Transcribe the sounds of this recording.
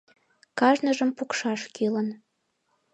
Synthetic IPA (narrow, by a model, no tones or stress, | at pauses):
kɑʒnəʒəmpukʃɑʃkilən